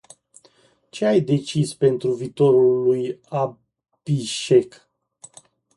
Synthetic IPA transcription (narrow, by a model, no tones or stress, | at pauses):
t͡ʃe̞ajd̪e̞t͡ʃispe̞nt̪ɾuviːt̪o̞ɾulːuja | b̥iʃe̞k